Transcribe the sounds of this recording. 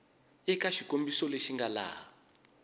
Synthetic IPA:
ɛkaʃikombisɔleʃiŋɡala̰ːɔ

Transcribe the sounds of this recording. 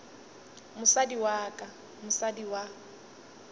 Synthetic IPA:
mʊsadiwaːkʼa | mʊsadiwa

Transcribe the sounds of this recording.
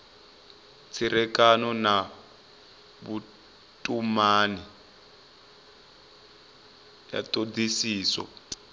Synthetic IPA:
t͡sʰiɾɛkanɔna | βu | tʼumani | ja̰tod͡zisiːsɔ̰

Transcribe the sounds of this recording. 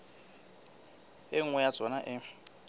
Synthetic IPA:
ɪŋ̩wɛjat͡sʼɔnaʔɪ

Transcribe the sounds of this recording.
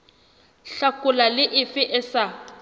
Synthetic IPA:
ɬakʼʊlalɪʔɪfɪʔɪsa

